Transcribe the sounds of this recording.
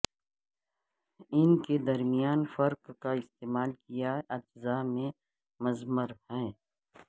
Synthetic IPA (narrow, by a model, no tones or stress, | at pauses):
ɪnked̪ɐɾmijaːnfɐɾqkaɪst̪eːmaːlkijaɐd͡ʒzamẽ | mɐzməɾhɛ̃ː